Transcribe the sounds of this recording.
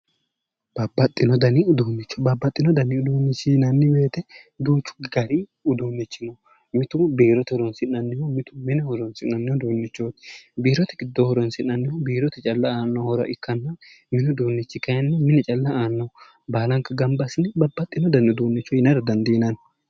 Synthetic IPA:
b̥ɐbːɐt̪ʼːɪnɔd̪ɐnɪʊd̪uːnːɪt͡ʃːɔbɐbːɐt̪ʼːɪnɔd̪ɐnɪʊd̪uːnːɪt͡ʃːinɐnːɪbe̞ːt̪ɛ | d̪uːt͡ʃːʊ̥ɡɐɾiʊd̪uːnːɛt͡ʃːɪnɔ | mɪt̪ʊbiːɾɔt̪ɛhɔɾɔnsɪnːɐnːɪjɔmɪt̪ʊmɪnɛhɔɾɔnsɪnːɐnːɪjɔd̪uːnːɛt͡ʃːoːt̪biːɾɔt̪ɛɡɪd̪ːɔhɔɾɔnsɪnːɐnːɪhɔbiːɾɔt̪ɛt͡ʃʼɐlːɐaːnːɔhɔɾɔ̰ʔɪkːɐnːɐ | mɪnɔd̪uːnːɛt͡ʃːɪkɐjɐnːɔmɪnɛt͡ʃʼɐlːɐaːnːɐ | baːlɐŋkɐɡɐmbɐsɪnɪbɐbːɐt̪ʼːɪnɔd̪ɐnʊd̪uːnːɛt͡ʃːɔjɪnɐɾɐd̪ɐnd̪inɐn

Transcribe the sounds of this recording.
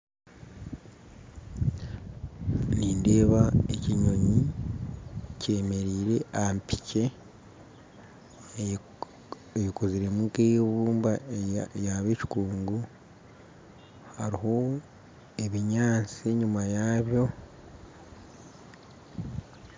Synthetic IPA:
niːnde̞ːβaeciɲo̞ɲi | ce̞me̞ɾiːɾe̞ʔampi̥ce̞ | eβikoziɾe̞mukejβuːmbajaβeːci̥kuːŋɡu | haɾiɦo̞ | eβiɲaːt͡siɲumajaːβjo̞

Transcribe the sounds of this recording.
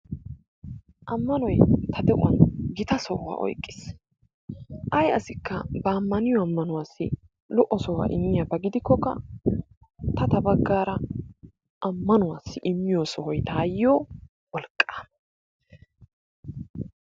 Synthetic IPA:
ʔɐmːɐnɔjt̪ʰɐd̪ɛʔʊ̰wɐ̰nɡɪt̪ɐsɔha̰ːʔɔ̰jkʼːɪs | ʔɐjɐ̰sɪkːɐbɐːmːɐnɪjɔɐmːɐnʊwaːsːɪ̰ | lɔʔːɔsɔwɐ̰ʔɪ̰mːɪjɐbɐɡɪd̪ɪkːɔkːɐ̰ | t̪ɐt̪ɐbɐɡːaːɾɐ | ʔɐmːɐnʊwaːsːɪʔɪmːɪjoːsɔhɔjt̪aːjːoː | wɔlkʼːḁː

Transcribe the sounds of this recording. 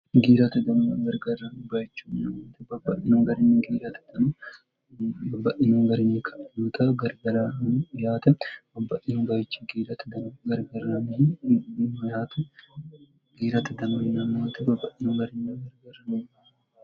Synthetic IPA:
ɡiːɾɐt̪ɛd̪ɐnʊɡɐɾɡɐrːɐnbɐjɪt͡ʃːuːɪnɐmːaːt̪ɛbɐbːɐʔɪnuŋɡɐɾɪnɡiːɾɐt̪ɛ̥d̪̥ɐnu | bɐbːɐʔɪnuŋɡɐɾɪnikʰʼɐʔjuːt̪ʰɐɡɐɾɡɐɾɐjaːt̪ɛb̥ɐbːɐʔɪnbɐjɪt͡ʃːɐɡiːɾɐt̪d̪ɐɡɐɾɡɐrːɐn | nojaːt̪ʰɛ | ɡ̥iːɾɐt̪ɛd̪ɐnonɪnɐmːaːt̪ɛbɐbːɐʔɪnuɡɐɾɪnːɐɡɐɾɡɐrɐnɐɐ

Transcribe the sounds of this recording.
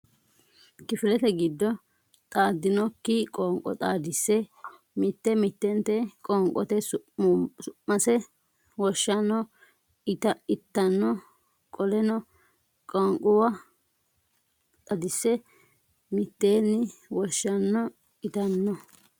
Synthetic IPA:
kɪfɪlɛt̪ɛɡɪd̪ːɔ | t̪ʼaːd̪ɪnɔkːɪkʼɔːŋkʼɔ̰t̪ʼaːd̪ɪsːɛ | mɪt̪ːɛmɪt̪ːɛnt̪ɛkʼɔŋkʼːɔ̰t̪ɛs | sʊʔːɐsɛ | wɔʃːɐnːɔ | t̪ɐɪt̪ːɐnːɔ | kʼɔlɛnɔ | kʼɔŋkʼʊwɐ | t̪ʼɐd̪ɪsːɛ | mɪt̪ːeːnːɪwɔʃːɐnːɔ | ɪt̪ɐnːɔ

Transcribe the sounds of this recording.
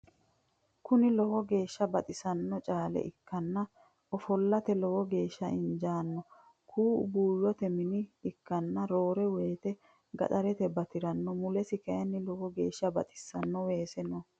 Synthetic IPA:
kʊnɪlɔhɔɡe̞ːʃːɐbɐt̪ʼɪsɐnːɔt͡ʃʼaːlɛ̰ʔɪkːɐnːɐ | ɔfɔlːɐt̪ɛlɔwɔɡe̞ːʃːɐʔɪnd͡ʒaːnːɔ | kʰṵːbuːjːɔt̪ɛmɪnɪːkːɐnːɐɾo̞ːɾɛweːt̪ɛ | ɡɐ̰t̪ʼɐɾɛt̪ɛbɐt̪ɪɾɐnːɔmʊlɛsɪkɐʔɐnːɪlɔhɔɡe̞ːʃːɐbɐ̰t̪ʼɪ̥sːɐnːɔweːsɛnɔ

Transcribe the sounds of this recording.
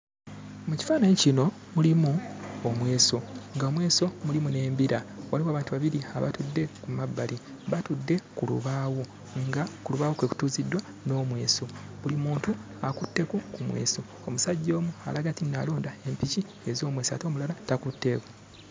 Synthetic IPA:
muci̥faːnaɲicino̞ | mulimuomwe̞ːso̞ŋɡaomwe̞ːso̞mulimune̞ːmbiɾawaliwaːβaːntuβaβiɾiaβa̰tudːe̞kumabːali | βatudːe̞kulṵβaːwo | ŋɡakuluβaːwokweku̥tuːzidwa | no̞ːmwe̞ːso̞ | βulimuːntu | akutːe̞kukumwe̞̰ːso̞ | omusaɟːo̞ːmua̰laɡatinnalo̞ːndae̞mpici | ezo̞ːmwe̞ːsa̰to̞ːmulalatakutːe̞ku

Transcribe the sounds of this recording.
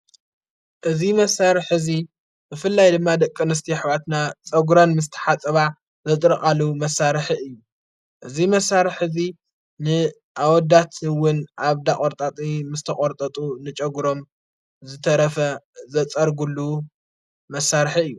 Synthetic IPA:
ʔɨzimɐsaɾħɨzi | bɨfɨlːajd̪ɨmːad̪ɐkʼːɨnɨs̬t̪ʰiħɨβat̪nat͡sʼɐɡuɾɐnmɨst̪ʰɐ̥ħat͡sʼɐβa | zɐt̪ʼɾɨkʼalumɐsːaɾħiɨjːu | ʔɨzimɐsaɾħɨzi | nɨ | ʔawɔd̪at̪ʰwʊnaβd̪aχʼoɾt̪ʼat̪ʼimɨst̪ʰɐkʼoɾt̪ʼɐt̪ʼunɨt͡ʃʼɐɡɾo̞m | zɨt̪ʰɐɾɐfɐzɐt͡sʼɐɾɡuluː | ɐsːaɾħiɨjːu

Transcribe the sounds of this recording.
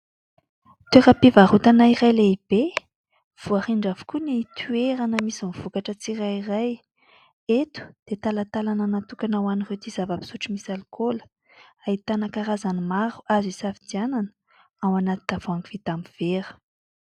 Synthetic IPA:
t̪eɾəpivaɾut̪anaiɾajleib̥e | v̥uaχiɳɖ͡ʐavu̥kunit̪ʰyeɾanəmisimiv̥ukaʈ͡ʂət͡sirairaj | et̪u̥d̪̥et̪alat̪alananat̪ukanawaniret̪izavabi̥suʈ͡ʂimisalukʰol | ait̪anəkaɾazanimaɾu̥azisafid̪iananə̥ | awanat̪id̪av̥oaŋɡiv̥it̪ambiv̥eɾə̥

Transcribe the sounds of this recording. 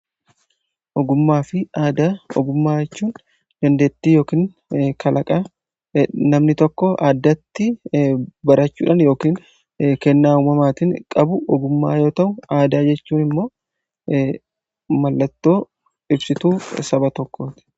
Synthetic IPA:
ʔɔɡʊmːaːfɪaːd̪aɔ̰ɡʊmːaːd͡ʒɛt͡ʃːuːn | d̪̥ɐnd̪e̞ːt̪ːiːjoːkiːn | kʰɐlʔɐkʼɐ | nɐmnɪt̪ɔkːɔʔa̰ːd̪ːɐt̪ːɪ | bɐɾɐt͡ʃːṵːᶑɐnjo̞ːkiːn | kɛnːaːuːmɐmaːt̪ɪŋkʼɐbʊʔɔɡʊmːa̰ːjo̞ːt̪ɐʔʊaːd̪aːd͡ʒɛt͡ʃːuːnɪmːo̞ː | mɐlːɐt̪ːo̞ː | ɪbsɪt̪uːsɐbɐt̪ɔkːoːt̪ɪ̥

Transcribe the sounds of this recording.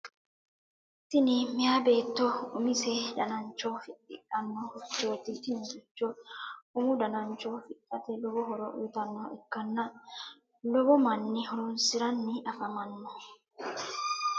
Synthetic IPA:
t̪ɪnɪmɪjabe̞ːt̪ːɔʊmɪsɛd̪ɐnɐnt͡ʃːɔfɪtːɪ̰kʼːɐnːɔhɔt͡ʃːo̞ːt̪ɪt̪ɪnɡɪt͡ʃːɔʊmʊd̪ɐnɐnt͡ʃːɔfɪkʼːɐt̪ɛlɔbɔɦɔɾɔʔʊ̰jt̪ɐnːɔɛkːɐnːɐ | lɔbɔmɐnːɪhɔɾɔnsɪɾɐnːɪɐfɐmɐnːɔ

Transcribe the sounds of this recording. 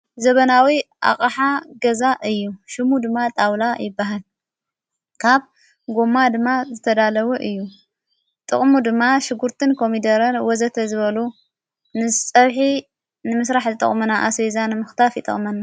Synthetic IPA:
zɐβɐnawiʔa̰χʼaħaɡɐzaʔɨjːuʃɪmud̪ɨmːat̪ʼawlajɪbːaɦal | kʰaβ | ɡo̞mːad̪ɨmːazɨt̪ʰɐd̪alɐwuʔɨjːu | t̪ʼɨχʼmud̪ɨmːaʃɪɡuɾt̪ʰɨnkʰo̞mid̪ɐɾɐnwɔzɐt̪ʰɐzɨβɐlu | nɨsʼɐβħi | nɨmɨsɾaħzɨt̪ʼɐ̰χʼmɐnaʔasezanɨmɨxt̪ʰafjɪt̪ʼɐ̰χʼmɐna

